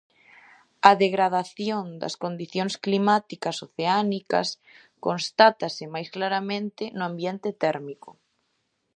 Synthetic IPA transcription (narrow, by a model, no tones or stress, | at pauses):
ɐðeɣɾað̞aθjond̪ɐ̰skond̪iθjoŋsklimat̪ikasoθeanikɐ̰s | konst̪at̪asɪmajsklaɾamẽnt̪ɪnʊambjent̪et̪ɛɾmikʊ